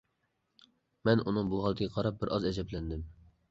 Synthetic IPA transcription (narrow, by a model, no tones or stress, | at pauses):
mɛnʔunɨŋbuɦɑlˠɨt̪ʰɪɡʲɛqʰɑɾɑp̚bɪɾʔɑzɛzɛplɛnd̪ɪm